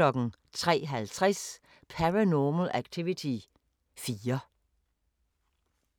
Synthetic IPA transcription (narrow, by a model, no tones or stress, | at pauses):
ɒ̽ɡ̥n̩ | t͡sʰʁɛ̰ːɦælt͡sʰʁɛs | pʰæʁænɔml̩ʔæɡ̥̚t͡sʰiʋit͡sʰi | fiːɐ